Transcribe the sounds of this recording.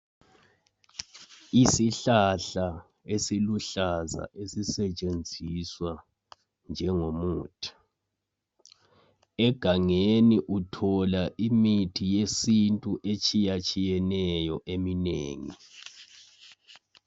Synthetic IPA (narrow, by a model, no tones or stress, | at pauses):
isiɬaɬa | esiluɬaza̰ʔesisɛt͡ʃʼend͡zʱiswa | nd͡ʒʱɛŋomuːtʰi̥ | ɛɡ̥ʱaŋeniʔutʰɔlaʔimitʰijesintʼuʔet͡ʃʼijat͡ʃʼijɛnɛjɔʔeminḛːŋḭ